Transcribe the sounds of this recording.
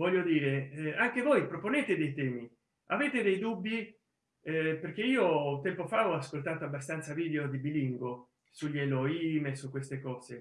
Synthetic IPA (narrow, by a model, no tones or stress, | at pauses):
vɔʎːod̪iːɾeɛaŋk̟evojpɾoponeːt̪ed̪ejt̪ɛːmi | aveːt̪ed̪ejd̪ubːi | perk̟eiːot̪ɛmpofaɔaskolt̪aːt̪oabːast̪ant̪saviːd̪eod̪ibiliŋɡo | suʎɛloiːmesukːwest̪ekɔːze